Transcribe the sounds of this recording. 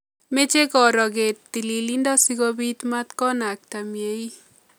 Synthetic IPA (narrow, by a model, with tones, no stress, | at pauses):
me˦t͡ʃe˦kɔ˨ɾɔ˨ke˨tːi˨li˨li˦nda˦sikɔbi˦t̪mat̪kɔ˦na˨k̚ta˨mje˦i˦